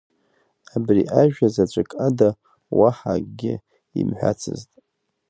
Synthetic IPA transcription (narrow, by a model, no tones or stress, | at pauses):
abriʔaʒᶣazat͡ʃʷʼɨkʼada | waħaɡʲɪ | imħʷᶣa̰t͡sʰɨztʼ